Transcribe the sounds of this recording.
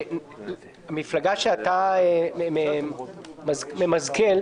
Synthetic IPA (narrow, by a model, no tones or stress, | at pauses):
amiflaɡaʃeat̪aeme | mazmemazkel